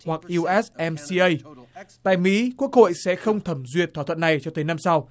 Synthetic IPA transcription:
wa˨˩k̚ʔi˧ʔɛ˦˥sʔɛ˧msi˧ʔə˧jt̪a̰ː˧˨jmḭ˧˥ku˦˥ək̚ho̰˧˨jsɛ̰˧˥xə˧wŋ͡mt̪ʰə˧˩mzwi˨˩ət̪̚ʰaː˧˩ə̰˧˨na˨˩jt͡ɕɔ˧t̪əː˨˦jna˧msa˧w

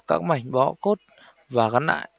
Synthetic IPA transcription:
kaː˦˥k̚ma˨˩jŋ̟ɓɔ̰˧˥ko˦˥t̚ | vaː˨˩ɣa˨˦nʔa̰ː˧˨j

